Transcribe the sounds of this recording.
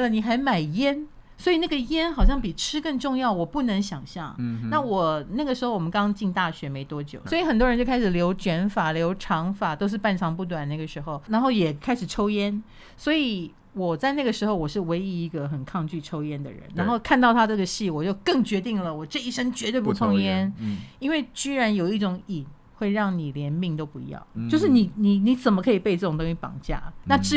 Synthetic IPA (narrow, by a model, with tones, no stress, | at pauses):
lə˨˩ni˨˩xa˧˥ɪma˨˩ɪjɛ˥n | swɔ˧˥i˨˩na˥˩ɡə˩jɛ˥nxɑ˨˩ʊɕjɑ˥˩ŋpi˨˩ʈ͡ʂʰɻ̩˥kə˥˧ŋʈ͡ʂʊ˥˧ŋjɑ˥˩ʊwɔ˨˩pu˥˩nə˧˥ŋɕjɑ˨˩ŋɕjɑ̰˥˩ŋna˥˩wɔ˨˩na˥˩ɡə˩ʂɻ̩˧˥xo˥˩ʊwɔ˨˩mə˦kɑ˥ŋt͡ɕi˥˧nt̪a˥˩ɕɥɛ˧˥me˧˥ɪt̪wɔ˥t͡ɕjo̰˨˩ʊswi˨˩xə˨˩nt̪wə˧nt͡ɕjo˥˧ʊkʰa˥ɪʂɻ̩˨˩ljo˧˥ʊt͡ɕɥɛ˧˥nfa˨˩ljo˧˥ʊʈ͡ʂʰɑ˧˥ŋfa˨˩t̪o˥ʊʂɻ̩˥˧pa˥˩nʈ͡ʂʰɑ˧˥ŋpu˥˩t̪̬wa˨˩na˥˩ɡə˩ʂɻ̩˧˥xo˥˩ʊna˧˥nxo˥˩ʊjɛ˨˩kʰa˥ɪʂɻ̩˨˩ʈ͡ʂʰo˥ʊjɛ˥n | swɔ˧˥i˨˦ | wɔ˨˩t͡sa˥˧ɪna˥˩ɡə˩ʂɻ̩˧˥xo˥˧ʊwɔ˨˩ʂɻ̩˥˩we˧˥ɪi˧˥i˧˥ɡə˨xə˨˩nkʰɑ˥˧ŋt͡ɕy˥˩ʈ͡ʂʰo˥ʊjɛ˥nd̪ə̰˨ɻə̰˧˦nna˧˥nxo˥˩ʊkʰa˥˧nt̪ɑ˥˩ʊt̪ʰa˥ʈ͡ʂɤ˥˩ɡə˩ɕi˥˩wɔ˨˩t͡ɕjo˥˧ʊkɤ˥˩ŋt͡ɕɥɛ˧˥t̪i˥˩ŋlə˨˩wɔ˨˩ʈ͡ʂɤ˥˧i˥˩ʂə˥ŋt͡ɕɥɛ˧˥t̪we˥˧ɪpu˥˩t͡s̪ʰʊ˥ŋjjɛ˥ni˥nwe˥˩ɪt͡ɕy˥ɻa˧˥njo˨˩ʊi˥˩ʈ͡ʂʊ˨˧˥ŋi˨˩n | xwe˥˧ɪɻɑ˥˩ŋni˨˩ljɛ˧˥nmi˥˧ŋt̪o˥ʊpu˧˥˧jɑ̰˥˩ʊt͡ɕjo˥˧ʊʂ̬ɻ̩˥˩ni˨˩ni˨˩ni˧˥t͡sə˨˩nmə˦kʰɤ˧˥i˨˩pe˥˩˨ʈ͡ʂɤ˥˩ʈ͡ʂŋt̪ʊ˥ŋɕy˥pɑ̰˨˩ŋt͡ɕja̰˥˩na˥˧ʈ͡ʂɻ̩˥